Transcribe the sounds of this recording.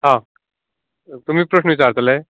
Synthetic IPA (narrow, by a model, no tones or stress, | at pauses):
ɦã | t̪um̤iːpɾəɕnəʋit͡saɾt̪əlee